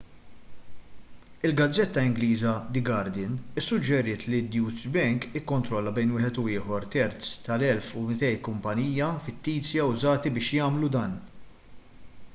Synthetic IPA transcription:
ɪlɡɐd͡zːɛt̪ːɐɪŋɡliːzɐd̪ɪɡɐɾd̪ɪnɪsːʊd͡ʒːɛɾɪːt̪lid̪juːzbɛŋkɪkːɔnt̪ɾɔlːɐbɛjnwɪːħɛt̪ʊɪːħɔɾt̪ɛɾt͡st̪ɐlɛlfumɪt̪ɛjkʊmpɐniːjːɐfɪt̪ːiːt͡sjɐʊzɐːt̪ibɪːʃjɐːmlud̪ɐːn

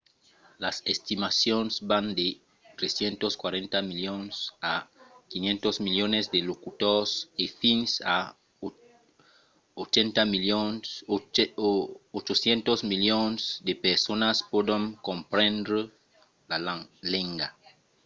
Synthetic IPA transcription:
lasest̪imasjonsbãnd̪e | t̪ɾesjent̪oskwaɾẽnt̪amiljonsakinjẽnt̪ozmiljonezd̪elokut̪oɾsefinsa | ot͡ʃent̪amio | ot͡ʃosjent̪ozmiljonsd̪epeɾsonaspod̪oŋkompɾẽnd̪ɾe | laleŋɡa

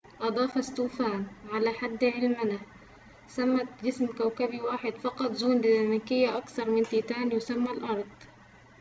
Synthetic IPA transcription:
ʔɑd̪ˤɑːfɑst̪uːfaːnʕalaħad̪ːʕɪlmɪna | samːat̪d͡ʒɪsmkawkabiwaːħɪd̪fɑqɑt̪ˤzuːnd̪iːnamakɪjːaʔɑkθɑɾˤmɪnt̪iːt̪aːnjʊsamːalʔɑɾˤd̪̥ˤ

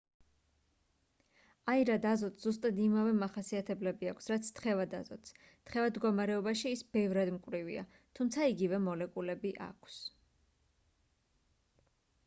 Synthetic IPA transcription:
aiɾad̪azɔt̪sz̥us̬t̪ʼad̪imavɛmaχasiat̪ʰɛblɛbiakʷʰsɾat̪sʰt̪χɛvad̪azɔ̰t̪s | t̪χɛvad̪ɡɔmaɾɛɔbaʃiːsb̥ɛvɾad̪mkʼvɾivḭa̰ | t̪ʰumt̪sʰaiɡivɛmɔlɛkʼulɛbiʔa̰kʰs

